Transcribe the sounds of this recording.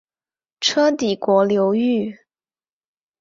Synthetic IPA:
ʈ͡ʂʰɤ˥t̪i˨˩kwɔ˧˥ljo˧˥ʊy˥˩

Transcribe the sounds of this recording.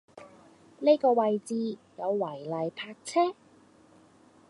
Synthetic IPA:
ne˥jkɔː˧wɐ˨jt͡siː˧jɐ˨˧wːɐ˨˩jlɐ˨jpʰaː˧k̚t͡sʰɛː˥

